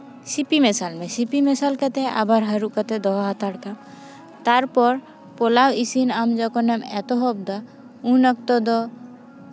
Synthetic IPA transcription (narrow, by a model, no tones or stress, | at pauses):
sipimɛsalmɛ̃sipimɛsalkat̪ɛʔa̰baɾɦəɾuʔkat̪ɛd̪ɔɦat̪aɽkam | t̪aɾpɔɾ | polawisinamd͡ʒɔkɔnɛmɛt̪ɔɦɔbd̪a | ũnək̚t̪ɔd̪ɔ